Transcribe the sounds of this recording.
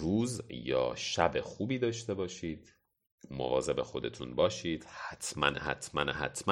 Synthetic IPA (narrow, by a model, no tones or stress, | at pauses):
ruːzjɒ̰ːʃæbe̞xuːbiːd̪ɒːʃt̪e̞bɒːʃiːd̪̥ | mo̰vɒːze̞be̞xo̞d̪e̞t̪ʰunbɒːʃiːd̪̥hæt̪ʰmænhæ̰t̪ʰmænhæ̰t̪ʰmæ